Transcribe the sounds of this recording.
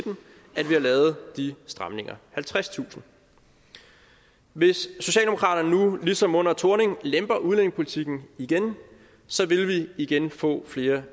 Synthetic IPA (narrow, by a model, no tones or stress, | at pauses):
d̥n̩ | æd̥ʋihɑ̈lɛːʊð̞̩ˠd̥isd̥ʁɑ̈mne̝ŋɐhælt͡sʰʁast͡sʰṵːsn̩ | ʋe̝sːo̝ɕɛ̰ːld̥emo̝kʰʁɑ̰̈ːɾ̥ɐnənulisɒ̽mɔ̽n̰ɐt͡sʰoɐne̝ŋlemb̥ɐʔuðˠene̝ŋpʰo̝lit͡sʰiɡ̥n̩iɡ̥en | sɒ̽ʋe̝lʋiiɡ̥enfɔ̰̽ːfle̝ːɐ